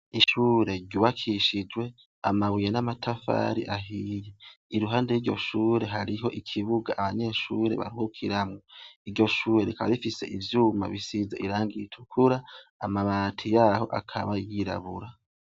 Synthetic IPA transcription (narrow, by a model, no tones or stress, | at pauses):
iʃuɾe̞ɾɟuβakʰiʃid͡ʒwe̞ | a̰maβujenamatʰafa̰ɾḭʔaɦiːjeiɾuɦaːndejiɾɟo̞̰ʃuːɾe̞ɦaɾiɦo̞ʔikʰiβuɡaʔːβaɲe̞ʃuːɾe̞̰βa̰ɾihukʰiɾamŋoiɾɟo̞ʃuːɾe̞ɾikaβaɾifise̞̰ʔivjuːma̰βisizaʔiɾaːŋɡitʰukʰuɾaːmaβaːtʰijaho̞̰ʔakʰa̰βajiɾa̰βuɾa